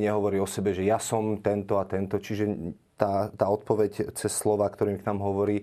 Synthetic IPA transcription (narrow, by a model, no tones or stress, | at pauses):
ɲɛɦɔʋɔɾiːɔsɛbɛʒɛjasɔmt̪ɛnt̪ɔat̪ɛnt̪ɔt͡ʃiʒɛ | t̪aːt̪aːɔt̪̚pɔʋɛct͡sɛsːlɔʋaːkt̪ɔɾiːmknaːmɦɔʋɔɾiː